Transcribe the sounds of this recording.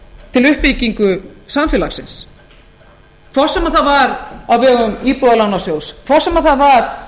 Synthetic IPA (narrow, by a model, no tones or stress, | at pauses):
t̪ʰɪlʏhpiciŋkʏsamfɛːlaksɪ̰ns | kʰvɔ̥sɛmaðθaðvaɾawvɛːɣʏmiːpuðalawnasjowskʰvɔr̥sɛmaθaðvaɾ̥